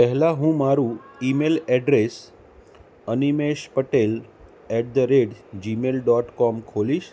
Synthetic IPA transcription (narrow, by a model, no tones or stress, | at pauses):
pəɦlaɦũːmaɾũimelɛɖɾes | ənimeɕpəʈel | ɛʈ̚d̪əɾeɽd͡ʑimelɖɔʈkɔmkʰoliːɕ